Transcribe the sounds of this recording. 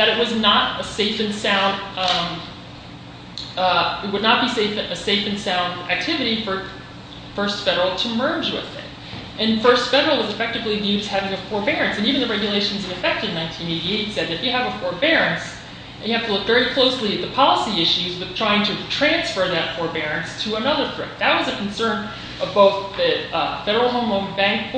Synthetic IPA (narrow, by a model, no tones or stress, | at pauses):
ðɨɾɨʔ̚wʌznəɾɨseɪfɨ̃nsãʊ̃nd | ɨt̚wədⁿnət̚b̥iseɪfɨɨseɪfɨ̃n̩sãʊ̃ndæ̰k̚tʰɪvɨɾifə˞ | fɜ˞stfɛɾə˞l̩ˠtʰɨmɜ˞d͡ʒwɪ̰ð̥ɪ̰t | ʔɨ̃nfɜ˞stfɛɾə˞l̩ˠwʌzɨfɛk̚tɨvlivjʉɾɨz̥hævɪ̃ŋɨfɔɹbɛɹɨ̃nsɨ̃nivɨ̃n̩ðɨɹɛɡjɨleɪʃɨ̃n̩zɨ̃nɨfɛk̚tɨdⁿnãɪ̃ntʰĩneɪɾieɪsɛd̪̚ðɨɾfjɨəvəfə˞bɛɹɨ̃ns | ɨ̃njɨhæftəlʊkvɛɹikʰl̥oʊsliɨt̪̚ðɨpʰɑlˠəsiɪʃʉzwɨð̥tʰɹ̥aɪɪ̃ŋtʰɨtʰɹ̥æ̃nsfə˞ðɨtfɔɹbɛɹɨ̃nstʰɨənʌðə˞fɹɛ̰t̪̚ðɨt̚wʌzɨkʰn̩sɜ̃˞n | ʌvboʊθðɨfɛɾə˞l̩ˠɦõʊ̃mõʊ̃bæ̃ŋk̚